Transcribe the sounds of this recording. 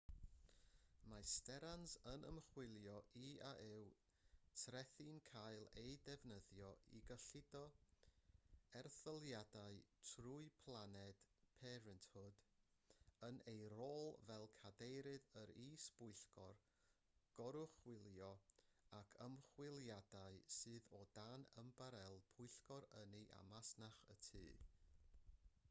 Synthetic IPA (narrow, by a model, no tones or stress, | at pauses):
mastɛɾansənə̰mχwɪlˠjɔʔiaʔɪw | tʰrɛθɪnkʰajlˠejdɛvnəðjɔḭɡəɬɪdɔ | ɛrθəlˠjadaɨtʰruɨpʰlˠanɛd̥pʰɛːɾɨntʰhʊd | ənejroːlˠvɛlˠkʰadejɾɨðəɾiːsb̥ʊɨɬɡ̥ɔr | ɡ̥ɔɾʊχwɪlˠjɔakʰəmχwɪlˠjadaɨsɨːðɔdanəmbaɾɛlˠpʰʊɨɬɡɔɾəniʔa̰masnaχə̰tʰɨː